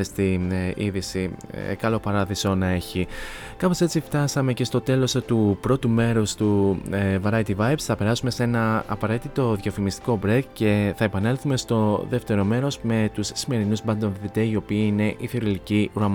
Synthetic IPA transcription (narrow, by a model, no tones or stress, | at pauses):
est̪iniðisḭkɐlo̞pɐɾɐðiso̞nɐe̞çi | kɐpo̞se̞t͡sift̪ɐsɐme̞ce̞st̪o̞t̪e̞lo̞st̪upɾo̞t̪ume̞ɾo̞st̪uvɐɾɐjt̪ivɐjvsθɐpe̞ɾɐsume̞se̞nɐɐpɐɾe̞t̪it̪o̞ðʝɐfimist̪i̥ko̞bɾekce̞θɐepɐne̞lθume̞st̪o̞ðe̞ft̪e̞ɾo̞me̞ɾo̞zme̞t̪usːime̞ɾinuzbɐnd̪onðit̪eio̞piiine̞ʔiθioɾiliciuɾɐm